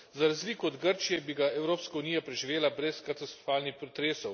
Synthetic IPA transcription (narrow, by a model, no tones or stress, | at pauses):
zaɾazliːkɔɔd̪ɡəɾt͡ʃijɛbiɡaɛwɾoːpskaunijapɾɛʒiʋeːlabɾɛskat̪ast̪ɾɔfaːlnixpɾɔt̪ɾeːsɔw